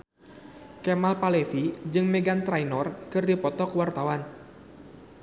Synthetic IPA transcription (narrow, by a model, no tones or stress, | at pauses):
kemalpalefid͡ʒɨŋmeɡant̪ɾajnɔrkɨrdipɔt̪ɔkəwart̪awan